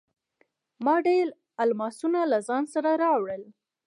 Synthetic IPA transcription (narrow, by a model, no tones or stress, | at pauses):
mɑɖel | almɑsunalazɑnsaɾaɾɑwɽəl